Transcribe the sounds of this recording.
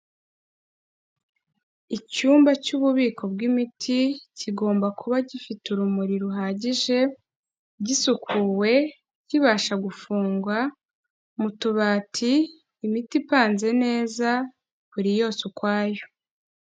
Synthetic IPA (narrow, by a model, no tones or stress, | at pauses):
icuːmbacuβuβiːkʰo̞bɡimitʰiciɡo̞ːmbakʰuβaɟifituɾumuɾiɾuɦaːɟiʒe̞ | ɟisukʰuːwe̞ | ciβaːʃaɡufuːŋɡwa | mutuβaːtʰiː | mitipaːnze̞ne̞ːza | βuɾijo̞ːsukwaːjo